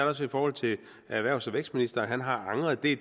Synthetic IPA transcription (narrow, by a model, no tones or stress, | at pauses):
ɐɾɐɒsifɒːhɒ̽l̰t͡sʰe̝l | æʋæɐʊsɒʋeɡ̥sd̥minisd̥ɐɦænɦɑ̈ɑ̈ŋʁɐð̩ˠd̥e̝